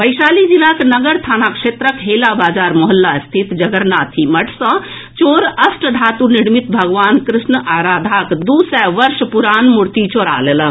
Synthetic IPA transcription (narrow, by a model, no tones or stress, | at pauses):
pəjsalid͡ʒilaknəɡəɾt̪ʰanakʃet̪ɾəkɦelabad͡ʒaɾmoɦəlːast̪ʰit̪d͡ʒəɡəɾnat̪ʰiməʈʰsə̃ | t͡ʃoɾəsʈɖʱat̪uniɽmit̪bʱəɡʋankɾisnəʔaɾad̪ʱakd̪usɛʋəɾspuɾanmuɾt̪it͡ʃoɾa̰lelə